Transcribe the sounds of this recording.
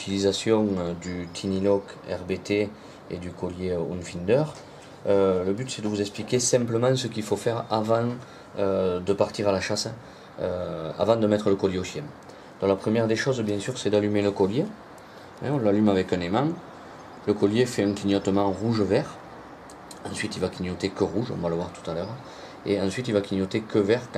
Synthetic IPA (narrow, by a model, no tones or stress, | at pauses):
yt̪ilizasjɔ̃ŋød̪yt̪ʰinilɔkɛ̰ʁbet̪e | ḛd̪ykɔljeṵnfind̪œʁ | øləbyt̪sɛd̪əvuzɛksplikʲesɛ̃mpləmɑ̃səkilfofɛʁavɑ̃ŋ | ød̪əpaʁt̪iʁalaʃas | øa̰vɑ̃d̪əmɛt̪χələkɔljeoʃjɛ̃ŋ | d̪ɔ̃lapχəmjɛʁd̪eʃɔzbjɛ̃syʁsɛd̪alymeləkɔlje | ɛ̰̃ɔ̃lalymavɛkɛ̃nemɑ̃ | ləkɔljefɛɛ̃ŋkiɲjɔt̪əmɑ̃ŋʁuʒəvɛʁ | ɑ̃sɥit̪ilvakiɲjɔt̪ekəʁuʒɔ̰̃valəvwaʁt̪u̥t̪alœʁ | ḛɑ̃sɥit̪ilvakʲiɲjɔt̪ekəvɛʁk